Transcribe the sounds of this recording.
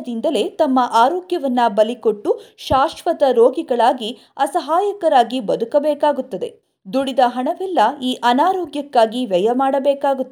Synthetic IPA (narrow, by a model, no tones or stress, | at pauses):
d̪ind̪ɐle̞t̪ɐmːɐʔaːɾoːɡjɐʋɐnːɐbɐliko̞ʈːuʃaːʃʋɐt̪ɐɾoːɡiɡɐɭaːɡi | ɐsɐɦaːjɐkɐɾaːɡibɐd̪ukɐbɛːkaːɡut̪ːɐd̪e̞̰ | d̪uɽid̪ɐɦɐɳɐʋɛlːɐiːʔɐnaːɾoːɡjɐkːaːɡiʋɛjɐmaːɽɐbɛːkaːɡut̪ːɐ